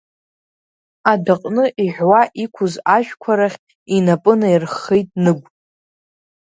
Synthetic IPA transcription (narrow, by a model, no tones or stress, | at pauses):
adaqʼnɨʔiħʷᶣwaʔikʷʰʊzaʒᶣkʷʰaɾaχʲ | inapʼɨnairχejtʼnɨɡʷ